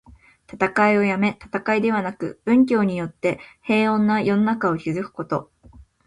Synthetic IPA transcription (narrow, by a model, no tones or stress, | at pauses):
t̪at̪akaio̞jame̞t̪ḁt̪akaid̪e̞β̞anakɯ̟̰b̥ɯ̟̃ŋk̬ʲo̞ːɲ̟ijo̞t̪ːe̞he̞ːõ̞nːajo̞no̞nakao̞kʲizɨkɯ̟̥ko̞t̪o̞